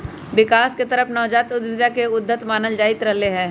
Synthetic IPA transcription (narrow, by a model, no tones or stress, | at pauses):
ʋɪkaːsket̪ɐɾəfʰnɔːd͡ʒaːt̪ʊd̪ʋɪd̪jakeʊd̪ʱːət̪maːnəld͡ʒaːɪt̪ɾɐɦleɦɛ̃ː